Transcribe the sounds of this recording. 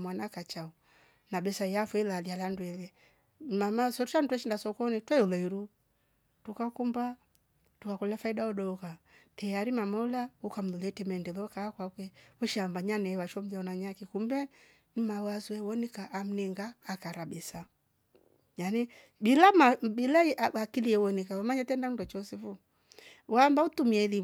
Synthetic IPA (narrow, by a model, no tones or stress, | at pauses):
mwanakat͡ʃau | nabɛsaiafwɛlalialanduɛlɛ | mamasɔtuʃan̩twɛʃindasɔkɔnitwɛulɛiɾu | tukakumba | tukakɔlɛfaidaɔɗɔukatɛjaɾimamɔulaukam̩lulɛtɛmandɛlɔkaːkwakwɛwɔʃambaɲanɛwaʃɔm̩d͡ʒaɔnaɲakikumbɛ | nimawazuɛwɔnikaʔːm̩nɛŋɡaːkaɾabɛsa | jani | bilamabilaiʔaakiliɛwɔnikawamaɲatɛndanudɔt͡ʃɔsɛfu | wambautumiɛli